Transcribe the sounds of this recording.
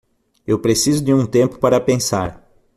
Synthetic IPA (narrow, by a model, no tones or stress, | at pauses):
ewpɾesizʊd̪ɪũt̪ẽmpʊ̥paɾɐpẽsa̰ɾ